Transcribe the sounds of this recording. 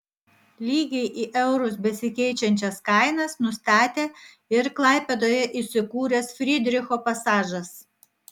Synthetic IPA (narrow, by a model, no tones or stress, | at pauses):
lʲiːɡʲɛɪʔiːʔɛʊɾʊsbʲɛsʲɪkʲɛɪt͡ʃʲɛnʲt͡ʃʲɛskɑɪnɐsnʊst̪ɑːt̪ʲeː | ɪɾklˠɑˑɪpʲɛd̪oːjɛʔisʲɪkuːɾʲɛsfʲɾʲɪd̪ʲɾʲɪxoːpɐsɑːʒɐs